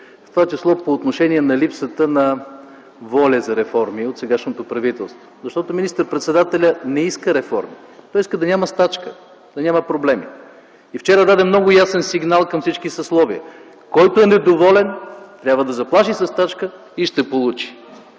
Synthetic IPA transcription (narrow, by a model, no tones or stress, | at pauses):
ft̪ovat͡ʃislˠɔpoːt̪noʃɛniɛnɐlipsət̪ənɐ | vɔlʲɐzɐɾɛfɔɾmiot̪sɛɡaʃnot̪opɾɐvit̪ɛlˠst̪vozɐʃt̪ɔt̪ʊminist̪əɾpɾɛt̪sɛd̪at̪ɛlʲənɛiskəɾɛfɔ̰ɾmit̪ɔiskəd̪ɐnʲaməst̪at͡ʃkə | d̪̥ɐnʲaməpɾoblɛmḭ | ift͡ʃɛɾəd̪ad̪ɛmnɔɡʊjasɛnsiɡnalˠkɐmfsit͡ʃkisɐslˠɔviə | kɔjt̪oɛnɛd̪ovɔlɛnt̪ɾʲabvəd̪ɐzɐplˠaʃisɐst̪at͡ʃkə | iʃt̪ɛpolˠut͡ʃi̥